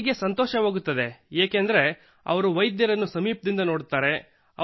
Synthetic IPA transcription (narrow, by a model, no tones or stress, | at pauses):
ɡe̞sɐnt̪ɔːʃɐʋoːɡut̪ːɐd̪e̞eːkend̪ɐɾe̞ | ɐ̰ʋɐɾuʋɐjd̪jɐɾɐnːusɐmiːp̚d̪ind̪ɐno̞ːɽt̪aːɾe̞ | ɐ̰